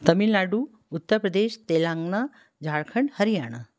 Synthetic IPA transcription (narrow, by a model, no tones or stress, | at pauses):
t̪ɐmilːaːɖu | ut̪ːəɾpɾəd̪eːʃt̪eːlãŋɡna | d͡ʒʱaɭkʰəɳɖhəɾijaːɳ̃ə